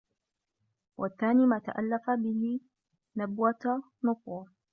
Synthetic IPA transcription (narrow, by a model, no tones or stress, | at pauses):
wʔaθːaːniːmaːt̪a̰ʔa̰lːafabɪhɪ | nabwa | nʊqwa